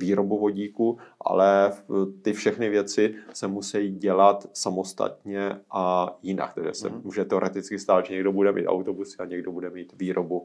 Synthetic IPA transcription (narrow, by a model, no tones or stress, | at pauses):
viːɾo̞buvo̞ɟiːkuʔa̰lɛt̪ɪfʃɛxnɪvjɛt͡sɪsɛmusɛjiɟɛlat̪samo̞st̪a̰t̪ɲɛʔajɪna̰k̚t̪aɡʒɛ̰sɛ̰muːʒɛt̪ɛo̞ɾɛt̪ɪt͡skɪst̪aːt̪ʒɛɲɛɡdo̞budɛmḭːt̪a̰wt̪obusɪaɲɛɡdobudɛmiːt̪viːɾʔobu